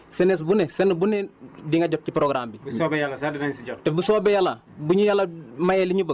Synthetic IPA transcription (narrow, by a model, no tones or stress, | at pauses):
senes̬bunesenbunediŋaɟop̚t͡ʃipɾoɡɾaːmbibusobejalasadinaɲsiɟoktebusoːbejala | buɲijalamajeliɲubə